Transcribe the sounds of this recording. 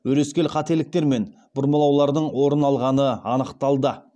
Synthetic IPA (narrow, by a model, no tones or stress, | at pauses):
ɵɾe̞skʲe̞lqʰɑt̪e̞lɪk̚t̪e̞ɾme̞n | bʊɾməlˠɑwlˠɑɾd̪əɴwo̞ɾənɑlˠʁɑnəɑnəqt̪ɑlˠd̪ə